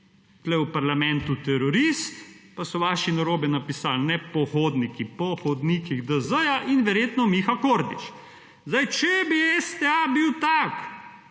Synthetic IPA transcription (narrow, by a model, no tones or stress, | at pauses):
t̪lɛwpaɾlamɛnt̪ut̪ɛɾɔɾist̪pasɔʋaːʃinaɾoːbɛnapisalnɛpɔxoːd̪nikipɔxɔd̪nikiɣd̪əzəjaʔinʋɛɾjeːt̪nɔmixakoɾd̪ḭt͡ʃ | zd̪ajt͡ʃɛbiɛst̪ɛabiwt̪ak